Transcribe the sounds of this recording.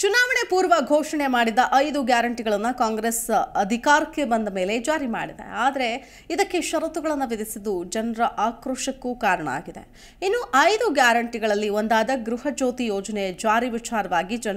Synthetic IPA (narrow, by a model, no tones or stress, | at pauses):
t͡ʃunaːʋɐɳe̞puːɾʋɐɡʱoːʂɐɳe̞maːɽid̪ːɐʔɐjd̪uɡjaːɾɐɳʈiɡɐɭɐnːɐkaːŋɡɾesɐd̪ʱikaːɾɐkːe̞bɐnd̪ɐme̞ːle̞d͡ʒaːɾima̰ːɽid̪e̞̰aːd̪ɐɾe̞ | id̪ɐkːeʃɐɾɐt̪uɡɐɭɐnːɐʋid̪isid̪ːud͡ʒɐnɾɐʔaːkɾoʂɐkːukaːɾɐɳɐ̰a̰ːɡid̪e̞̰ | inːuːʔɐjd̪uɡjaːɾɐɳʈiɡɐɭɐlːiond̪aːd̪ɐɡɾuɦɐd͡ʒoːt̪ijɔːd͡ʒɐned͡ʒaːɾiʋit͡ʃaːɾɐʋaːɡid͡ʒɐn